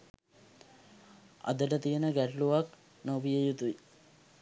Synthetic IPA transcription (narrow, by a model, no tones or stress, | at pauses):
a̰d̪əʈət̪ijənəɡæʈluʋak | nobijejut̪ui